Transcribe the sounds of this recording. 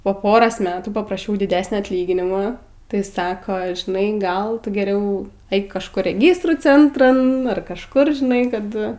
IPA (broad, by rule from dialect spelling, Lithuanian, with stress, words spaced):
poː ˈpoːroːs ˈmʲæːtuː pɐprɐˈʃʲɛʊ dʲɪˈdʲæːsʲnʲɛ ɐtʲˈlʲiːɡʲɪnʲɪmɐ tɐɪ ˈsɑːkoː ʒʲɪˈnɐɪ ˈɡɐlˠ ˈtʊ ɡʲɛˈrʲɛʊ ˈɛɪk kɐʃˈkʊr rʲɛˈɡʲiːstruː ˈt͡sʲɛntrɐn ɐr kɐʃˈkʊr ʒʲɪˈnɐɪ ˈkɐt